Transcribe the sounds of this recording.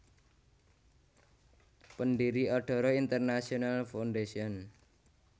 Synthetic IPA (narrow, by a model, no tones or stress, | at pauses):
pənɖiɾiɔɖ̥ɔ̤ɾɔint̪ərnasiɔnalfawnɖesiɔn